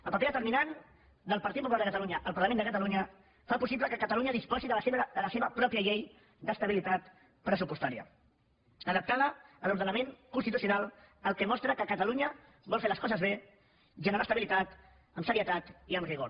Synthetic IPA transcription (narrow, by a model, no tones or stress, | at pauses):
əlˠpəpeðət̪əɾminan | d̪əlˠpəɐɾt̪it̪pupulalˠəkət̪əluɲəʔəlpəɾləmend̪əkət̪əluɲə | fapusipləkəkət̪əluɲəðispɔziðəsd̪ələseβəpɾɔpiəʎej | d̪əst̪əβilit̪at̪ | pɾəsupust̪aɾiə̰ | əðəp̚t̪aləəluɾð̞ənəmeŋkunst̪it̪usiunalˠ | əlˠkɛmɔst̪ɾəkəkət̪əluɲə | bɔlˠfeləskɔzəzβe | ʒənəɾast̪əβilit̪at̪ | əmsəɾiət̪at̪iəmriɣoɾ